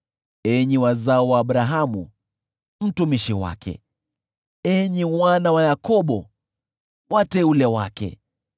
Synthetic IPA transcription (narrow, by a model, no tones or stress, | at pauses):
ɛɲiwazaɔwaːɓɾaɦamṵ | m̩tumiʃiwa̰kʰɛ̰ | ɛɲimwanawajakɔɓɔ | watɛulɛwakɛ̰